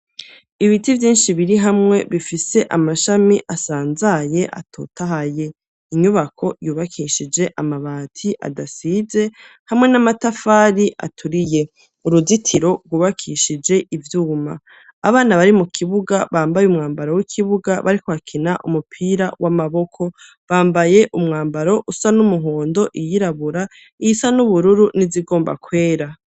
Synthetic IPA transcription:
iβitivjiːnʃiβiɾiɦamŋe̞βifise̞ʔamaʃamiʔasaːnzaje̞ʔa̰tʰo̰ːtʰaɦaje̞ | iɲuβakʰo̞juːβakʰiːʃid͡ʒe̞ʔamaβaːtʰiʔa̰dasize̞ | hamŋe̞namatafaːɾiʔa̰tʰuɾije̞ | uɾuzitʰiɾo̞ɾɡuːβakʰiːʃid͡ʒe̞ʔivjuːma̰ː | βaːnaβaɾimukʰiβuɡaβaːmbajumŋaːmbaɾo̞wikʰiβuɡaβaɾikoβakʰinaʔumupʰiːɾawʔamaβo̞kʰo̞ | βaːmbaje̞ʔumŋaːmbaɾo̞ʔusanumuɦoːndo̞ʔijiɾaβuɾa | iisanuβuɾuɾuniziɡo̞ːmba̰kwe̞ːɾa

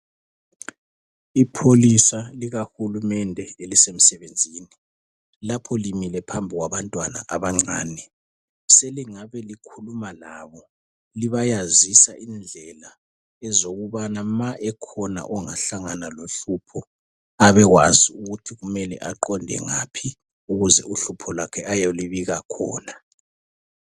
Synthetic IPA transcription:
ipʰolisaliɣaxulumɛndʱɛelisem̩sɛβend͡zʱiːni | lapʰɔlimilɛpʰambʱiɣwaβantʼwana̰ʔaβaŋ͡ǀaːnɛ | seliŋaβɛlikʰulumalaːβɔ | liβajazisaʔind͡ɮʱɛla | ɛzoɣuβanamaʔɛkʰɔna̰ʔɔŋa̰ɬaŋanaloɬupʰɔ | aβɛɣwaziuɣutʰiɣumɛlɛ̰ʔaǃɔndʱɛ̰ŋapʰi | uɣuzɛ̰ʔuɬupʰɔlakʰɛʔajoliβiɣakʰɔ̰ːna

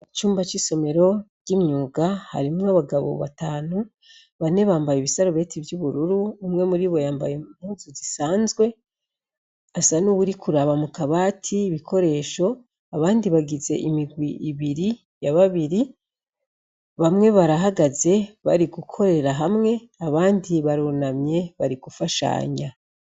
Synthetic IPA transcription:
it͡ʃuːmbat͡ʃiso̞me̞ɾo̞ɟ̥imɲuːɡaha̰ɾimŋaβaɡaβo̞̰βa̰taːnu | βane̞βaːmbajiβisaɾoβe̞ːtʰivjuβuɾuɾuːmŋe̞muɾiβo̞jaːmba̰jeumuzuzisaːnzɡwe̞ | asanuβuɾikʰuɾaβamukaβaːtʰiːβikʰo̞ɾe̞ːʃo̞ | aβaːndiβaɡize̞̰ʔimiɡwiʔiβiɾi | jaβaβiɾi | βamŋe̞βaɾaɦaɡaze̞βa̰ɾiɡukʰo̞ɾe̞ɾaɦamŋe̞ | aβaːndiβaɾunamɲe̞βaɾiɡ̥ufaʃa̰ːɲa

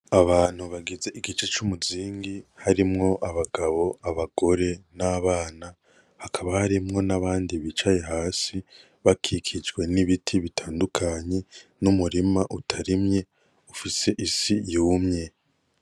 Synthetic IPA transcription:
aβaːn̥huβaɡizeʔiɡit͡ʃe̞t͡ʃumuziːŋɡihaɾimŋo̞ʔaβaɡaβo̞aβaɡ̥o̞ɾe̞naβaːna | hakʰaβahaɾimŋo̞naβaːndiβit͡ʃaje̞ɦaːsi | βakʰikʰid͡ʒɡwe̞niβitʰiβitʰaːndukʰaɲe̞numuɾimaʔutʰaɾimɲe̞ | ufise̞ʔisijuːmɲe̞

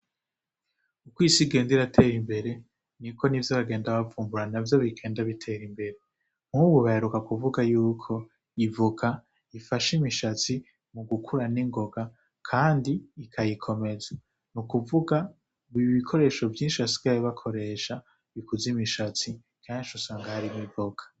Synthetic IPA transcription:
ukwiːsiɡe̞ːndiɾatʰe̞ːɾimbe̞ɾe̞ | niko̞nivjoβaɡe̞ːndaβavuːmbuɾanavjo̞βiɡe̞ːndaβitʰe̞ːɾimbe̞ɾe̞ | m̥huβuβaheɾukakuvuɡajuːkʰo̞ | ivuɡa | ifaʃimiʃat͡si | muɡukʰuɾaniŋɡo̞ɡa | kʰaːndiːkʰajikʰo̞me̞za | nukuvuɡa | βuiβikʰo̞ɾe̞ːʃo̞vjiːnʃiasi̥ɡajiβakʰo̞ɾe̞ʃa | βikuzimiʃat͡si | kaɲiʃusaːŋɡahaɾimivoɡḁ

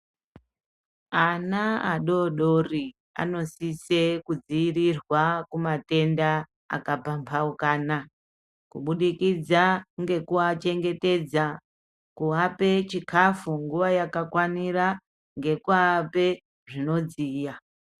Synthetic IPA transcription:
anaa̰ɗo̞ɗo̞ri | a̰no̞sise̞kud͡ziirirwakumate̞nda | a̰kapampʰaukaːna | kṵɓuɗikid͡zaŋɡe̞kuat͡ʃe̞ŋɡe̞te̞d͡za | kuape̞t͡ʃikʰafuŋɡuʋajakakwaniɾa | ŋɡe̞kuaape̞ | ʐino̞d͡ziːja

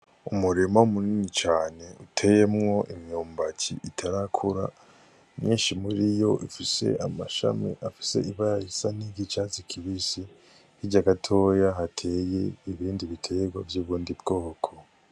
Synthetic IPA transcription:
umuɾemaumuniːɲit͡ʃaːne̞utʰe̞jemŋo̞ʔimɲuːmbacḭʔitʰaɾakʰuɾa̰ | mɲiːnʃimuɾijo̞ʔifise̞̰amaʃa̰mḭʔafi̥se̞̰iβaaisaniɡit͡ʃat͡sikʰiβisi | hiɟaɡatʰo̞ːjaɦatʰe̞je̞iβiːndiβitʰeɡwavjuːβuːndibɡo̞ːkʰo

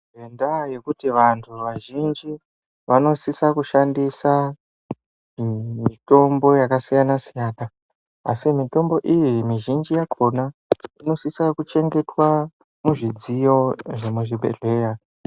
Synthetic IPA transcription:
endaje̞kutiʋantʰuʋaʒind͡ʒi | ʋano̞sisakuʃandisa | mito̞mbo̞jakasijanasijaːna | a̰simito̞mbo̞ʔijimiʒind͡ʒijakʰo̞naino̞sisakut͡ʃe̞ŋɡe̞twa | muʐid͡zijo̞ʐemuʐiɓe̞̰ɮe̞ːja

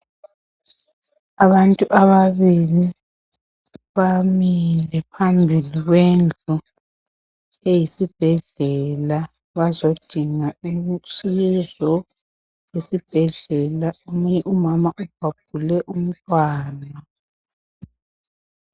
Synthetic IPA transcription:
aβantʼuʔaβaβili | βamilɛpʰambʱiliɣwend͡ɮʱu | ejisib̥ʱɛɮɛla | βazod̥ʱiŋaimsizɔ | jesib̥ʱɛɮɛlaumuɲɛʔumamaʔub̥̚ʱab̥̚ʱulɛʔum̩tʼwaːna

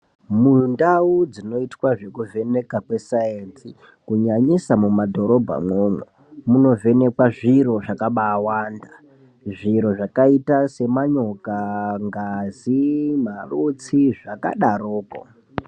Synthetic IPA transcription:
mundaud͡zino̞itwaʐe̞kuvʱe̞ne̞kakwe̞sajensi | kuɲaɲisamumadʱo̞ɾo̞bʱa̰mwoːmwe | muno̞ve̞ne̞kwaʐiɾo̞ʐakaɓaːwaːnda | ʐiɾo̞ʐakaitase̞maɲo̞kaŋɡazimarut͡siʐaka̰ɗaɾoːko̰

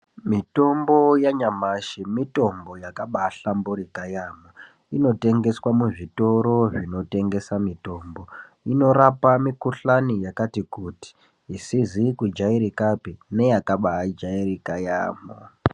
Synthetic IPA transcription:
mito̞mbo̞jaɲamaʃimito̞mbo̞jakaɓaaɬambuɾikajaːmo | ino̞te̞ŋɡe̞swamuʐito̞ɾo̞ʐino̞te̞ŋɡe̞samito̞ːmbo | ino̞ɾapamikuɬanijakatikuti̥ː | sizikud͡ʒaiɾikapine̞jakaɓaɦad͡ʒairikaja̰ːmo̰

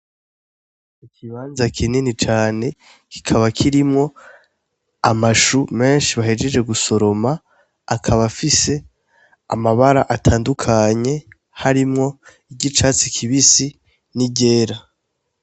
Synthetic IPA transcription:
ikʰiβaːnzakʰininit͡ʃaːne̞ | ki̥kʰaβakʰiɾimŋo̞ | amaʃume̞ːnʃiβahed͡ʒe̞d͡ʒe̞ɡuso̞ɾo̞maː | kʰaβafise̞ | a̰maβaɾaʔatʰaːndukʰaɲe̞ | haɾimŋo̞ | iɟit͡ʃaːt͡sikʰiβisi | niɟe̞ːɾa

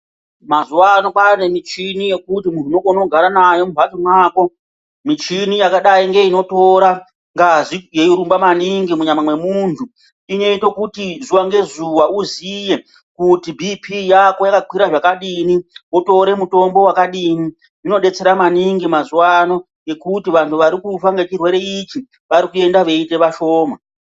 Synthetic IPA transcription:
mazuwano̞pane̞mit͡ʃinije̞kutimununokono̞ɡʱaɾanajo̞mubʱatimwaːko̞ | mit͡ʃinijakaɗaiŋɡe̞ino̞to̞ɾa | ŋɡaʐijeiɾumbamaniŋɡimuɲamamwe̞muntʰu | iɲe̞itokutizuwaŋɡe̞zuwauzije̞ | kutibʱipʰijako̞jakakwiɾaʐakaɗiniwoto̞ɾe̞muto̞mbo̞wakaɗini | ino̞ɗe̞t͡se̞ɾamaniŋɡimazuwano̞ | je̞kutiʋantʰuʋaɾikufaŋɡe̞t͡ʃirwe̞ɾe̞it͡ʃi | ʋaɾikue̞ndaʋe̞ite̞ʋaʃo̞ːma

